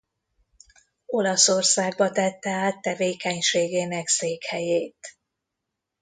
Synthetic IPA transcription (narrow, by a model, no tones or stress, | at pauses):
o̞lɒso̞rsaːɡ̚bɒt̪ɛt̪ːɛaːt̪ːɛveːkɛɲʃeːɡeːnɛkseːkhɛjeːt̪